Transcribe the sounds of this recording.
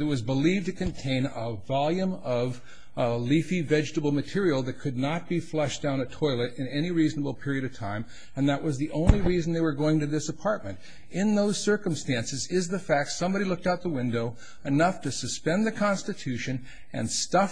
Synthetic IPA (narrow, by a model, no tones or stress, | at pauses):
ɨt̚wʌzbəliv̚tɨkɨ̃ntʰẽɪ̃nəvɑlˠjɨ̃mʌv | lifivɛd͡ʒtəbl̩ˠmɨtʰɪɹil̩ˠðɨt̚kʰɨdⁿnət̚b̥iflɛʃd̥ãʊ̃ñɨtʰɔɪlˠɨɾɨ̃nɛñiɹiznəbl̩ˠpʰɪɹiɨɾʌv̥tʰãɪ̃m | ɨ̃nðəʔ̚wʔʌzðiʔõʊ̃nliɹizn̩ðeɪwə˞ɡoʊɪ̃ŋtɨðɪsəpʰɑɹt̚mɨ̃nt | ɪ̃nðoʊz̥sɜ˞kə̃mstæ̃nsɨzɪzðɨfæk̚tsʌ̃mbɑɾilʊk̚taʊt̪̚ðəwɪ̃ndoʊ | ɨnʌftɨsɨspɛ̃nðɨkʰɑ̃nstɨtʰʉʃɨ̃n | ɨ̰̃nstʌf